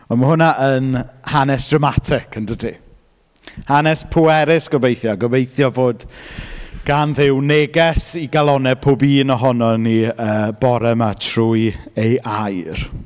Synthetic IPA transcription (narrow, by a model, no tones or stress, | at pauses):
ɔmahʊnaʔənhanɛsd̥ramatʰɪkʰəndədi | hanɛspʰuɛɾɪsɡ̥ɔbejθjɔɡɔvejθjɔvoːd | ɡ̥anðɪwneɡɛsiɡalˠɔnɛpʰoːbiːnɔɦɔnɔniəːbɔɾɛmatʰruːjejʔajr